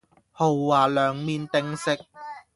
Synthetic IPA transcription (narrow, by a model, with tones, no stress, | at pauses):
ho˨wːaː˨˩lœː˨˧ŋmiː˧nt̪ɪ˧ŋsɪ˥k̚